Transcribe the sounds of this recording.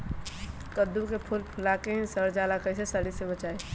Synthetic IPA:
kəd̪ukepʰʊlpʰʊlakeɦĩsəɾd͡ʒaːlakəɪs̬esəɽisebət͡ʃaːe

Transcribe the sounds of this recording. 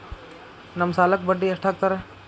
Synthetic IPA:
nɐmsaːlək̚bəɖːiɐsʈʰaːk̚t̪ɐɾɛ

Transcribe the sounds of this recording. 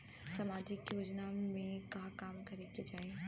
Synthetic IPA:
samaːd͡ʒɪkjoːd͡ʒnamẽkaːkaːmkɐɾeked͡ʒaːi

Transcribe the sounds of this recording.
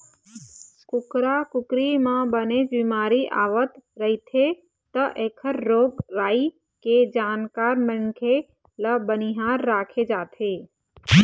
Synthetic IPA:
kʊkɾakʊkɾimãbənet͡ʃbimaːɾiʔa̰ːʋət̪ɾəɦit̪ʰe | t̪əʔeːkʰəɾːoːɡʋaːi | ked͡ʒaːnkaːɾmənkʰe | ləbəniɦaːɾːaːkʰed͡ʒaːt̪ʰeː

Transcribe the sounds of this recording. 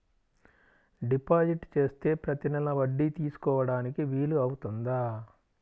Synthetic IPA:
ɖipaːd͡ʒiʈt͡ʃe̞ːst̪e̞ːpɾɐt̪inɛlɐʋɐɖːit̪iːsu̥kɔːʋɐɽaːnikiʋiːluɐwut̪und̪aː

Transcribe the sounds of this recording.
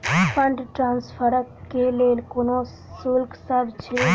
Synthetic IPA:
fəɳɖʈɾãːnspʰəɾəeleːlkʊnõ | sʊlksəɾt͡ʃʰe

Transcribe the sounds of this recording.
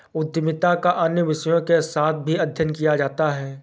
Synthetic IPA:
ʊd̪ʱjəmɪt̪akaʔɐnjəʋɪʃəjõkesaːt̪̚ʰbʱiɐd̪ʱjənkijad͡ʒaːt̪aɦɛː

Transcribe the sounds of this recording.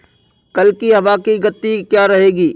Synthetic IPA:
kɐlkiɦɐʋaːkiɡɐt̪ːikjaːɾɐɦeːɡiː

